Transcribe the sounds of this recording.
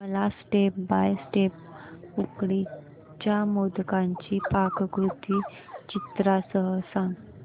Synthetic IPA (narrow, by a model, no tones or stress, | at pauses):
məlasʈep̚bajsʈep̚ | ukɽi | t͡ɕjamod̪kãɲt͡ɕiːpakkɾut̪iː | t͡ɕit̪ɾasəɦəsãŋɡ